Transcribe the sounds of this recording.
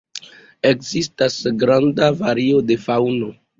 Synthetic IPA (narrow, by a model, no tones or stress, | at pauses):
e̞kzistasɡɾandavaɾio̞de̞fawno̞